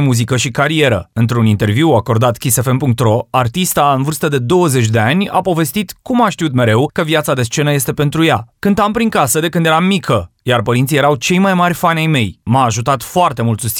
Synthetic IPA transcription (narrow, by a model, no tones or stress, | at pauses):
muzikəʃikaɾie̞ɾə̰ɨnt̪ɾunint̪e̞rviwako̞rd̪at̪kʲise̞fe̞npuŋk̚t̪ɾo̞art̪ist̪aɨnvɨrst̪əd̪e̞d̪o̞wəze̞t͡ʃd̪e̞anʲa̰po̞ve̞st̪it̪kumaʃt̪iut̪me̞ɾe̞wkəvjat̪sad̪e̞st͡ʃe̞nəje̞st̪epe̞nt̪ɾujakɨnt̪ampɾiŋkasəd̪e̞kɨnd̪jeɾamːikʰəjarpəɾint̪sijeɾawt͡ʃe̞jmajmarʲfanʲajme̞jmaːʒut̪at̪foart̪e̞mult̪sust̪